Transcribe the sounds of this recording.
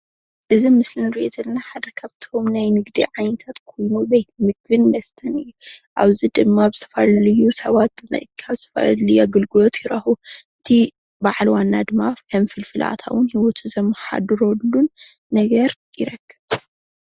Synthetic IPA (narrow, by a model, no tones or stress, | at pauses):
ʔɨzimɨslɨnɨɾɨʔet̪ʰɐlnaħad̪ɐkʰaβt̪ʰomnajnɨɡd̪ḭʕajnɐt̪ʰat̪kʰo̞jnubejt̪̚mɨɡbɨnmɐst̪ʰɐnɨjːuʔa̰βzid̪ɨmːabzɨ̥t̪ʰɐfalɐlɨjːusɐβat̪̚bɨmɐ̰ʔɨkʰːaβzɨ̥t̪ʰɐfa̰llɨjaɡɨlɡɨlo̞t̪jɪɾɐhuɨt̪ʰi | baʕlwanːad̪ɨmafkʰɐmfɨlfɨla̰t̪ʰa̰wʊnhiwɔt̪ʰuzɐmːɐħa̰d̪ɨɾolːunː | ɐɡɐɾ | jɪɾɐɡːɐβ